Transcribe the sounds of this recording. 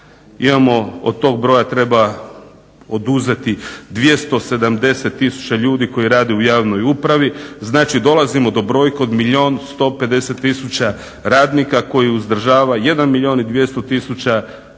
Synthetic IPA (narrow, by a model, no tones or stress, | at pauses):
imamo̞od̪̚t̪o̞ːɡ̚bɾo̞jat̪ɾe̞ba | od̪uze̞t̪id̪ʋije̞st̪o̞se̞d̪amd̪e̞se̞t̪ːisu̥t͡ɕaʎuːd̪iko̞jiɾaːd̪eujaːʋno̞jupɾaʋiznaːt͡ʃid̪o̞lˠazimo̞d̪o̞bɾo̞ːjko̞d̪miʎʲo̞nst̪o̞pe̞d̪e̞set̪ːisut͡ɕa | ɾaːd̪nikako̞jiuzd̪r̩ʒaːʋaje̞d̪anmilʎʲio̞ːnid̪ʋje̞st̪o̞t̪isut͡ɕa